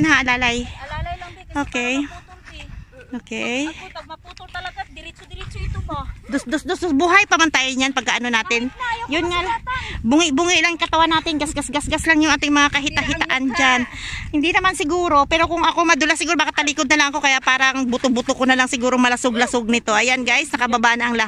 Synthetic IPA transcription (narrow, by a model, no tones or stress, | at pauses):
nɐʔalaːlaj | ʔoːkɛj | ʔoːkɛj̪ | d̪osd̪osd̪osd̪osbuɦajpɐmɐnt̪ajɲjanpɐɡkaʔɐno̞naːt̪ɪnjʊnŋabʊŋɪbuŋɪʔlaŋɪkɐt̪ɐwanaːt̪ɪnɡasɡasɡasɡaslaŋjʊŋʔaːt̪ɪŋmɐŋakɐɦɪt̪ɐɦɪt̪aʔand͡ʒanhɪnd̪inɐmansɪɡuːɾo̞pɛːɾo̞kʊŋɐko̞mɐd̪ʊlasɪɡuːɾobaːkat̪ɐliːkod̪̚nɐlaɐŋɐko̞kɐjaʔpaːɾɐŋbʊt̪ʊbʊt̪okonɐlaŋsɪɡuːɾoŋmɐlɐsoɡ̚lɐsoɡ̚nɪt̪o̞ʔɐjanɡajsnɐkɐbabaʔnɐʔɐŋlɐh